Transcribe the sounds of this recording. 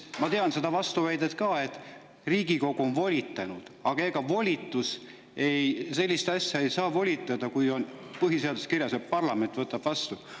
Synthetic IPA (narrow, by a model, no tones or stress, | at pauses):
mɑt̪e̞ɑnse̞d̪ɑvɑst̪uvæjd̪̥et̪̚kɑːe̞t̪ːˑ | riːɡiko̞ɡ̥uo̞nvo̞lʲit̪ːˑɑnud̪̥ɑɡ̥ɑe̞ɡ̥ɑvo̞lʲit̪ːˑus | e̞jse̞lʲːist̪ɑsʲjɑe̞jsɑːvo̞lʲit̪ːˑɑd̪ɑkujo̞n | pɤɦise̞ɑd̪uskirjɑsjɑpɑrlɑme̞nt̪vɤt̪ːˑɑb̥vɑst̪u